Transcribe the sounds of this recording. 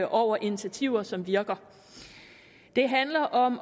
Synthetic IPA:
ʔɒʊ̰ɐʔinit͡sʰæt͡sʰiʊ̰ɐsɒ̽mʋiɐɡ̥ɐ | d̥e̝ɦænlɐʔɒ̽m

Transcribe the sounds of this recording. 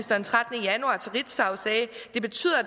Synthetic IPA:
sd̥ɐnt͡sʰʁad̥ənəjænuɑ̈t͡sʰeʁid̥sɑ̈ʊsɛːd̥e̝b̥e̝t͡sʰy̰ːð̰ˠɐ

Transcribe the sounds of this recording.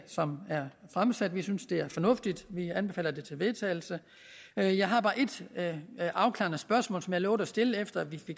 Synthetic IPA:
sɒ̽mæɐfʁamsæd̥ʋisynsd̥e̝æɐfɒ̽nɔ̽fd̥id̥ʋiænb̥e̝fɛ̰ːlɐd̥e̝t͡sʰe̝lʋe̝ðˠt͡sʰɛ̰ːɪl̩sə | jɑ̈ɪɦɑ̈b̥ɑ̈ːʔe̝d̥ | ʔɑ̈ʊkʰlɑ̰̈nəsb̥ɶɐsmɔ̰ːlsɒ̽mjɑ̈ɪlɔʊɾ̥əæsd̥e̝ləefd̥ɐæʋife̝ɡ̥

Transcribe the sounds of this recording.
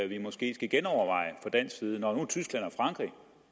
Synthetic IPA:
æʋimɒ̽sɡ̥e̝̰ːsɡ̥æɡ̥enɒʊɐʋɑ̈ɪ̰əfɒ̽d̥æn̰ssiːð̞ˠənɒnut͡sʰysɡ̥læn̰æɐfʁɑ̈ŋɡ̥ʁḭ

